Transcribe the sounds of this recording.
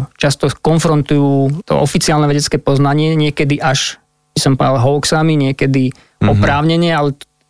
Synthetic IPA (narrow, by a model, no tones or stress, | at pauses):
t͡ʃast̪ɔkɔnfɾɔnt̪ujuːt̪ɔ̰ʔɔfit͡siaːlnɛʋɛɟɛt͡skɛːpɔznaɲɪɛɲɪɛkɛd̪iʔaʃ | bisɔmpalɦɔʊksamiɲɪɛkɛd̪i | ɔpɾaːʊɲɛɲɪɛalɛ